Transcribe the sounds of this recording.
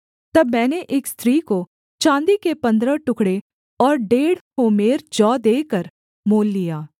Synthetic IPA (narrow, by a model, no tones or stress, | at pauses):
t̪ɐbmɛ̃ːneʔeːkst̪ʰɾiːko | t͡ʃãːnd̪ikepɐ̃nd̪ɾəʈʊkɽe | ɔːɾɖeːɽhoːmeːɾd͡ʒɔːd̪eːkəɾ | moːlːijaː